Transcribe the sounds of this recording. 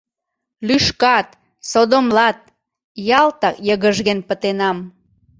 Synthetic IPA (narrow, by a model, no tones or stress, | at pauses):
lyʃkɑt̪ | sod̪omlɑt̪̚ | jɑlt̪ɑkjəɣəʒɣenpət̪enɑm